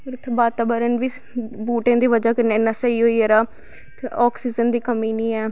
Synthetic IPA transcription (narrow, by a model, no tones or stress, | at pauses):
ɾt̪ʰbaːt̪aːbəɾənʋiː | buːʈẽːd̪iːʋəd͡ʒaːkəɾnenːãːsəiːɦoːiːəɾaː | t̪ɔːksiːd͡ʒənd̪iːkəmiːnĩːɛː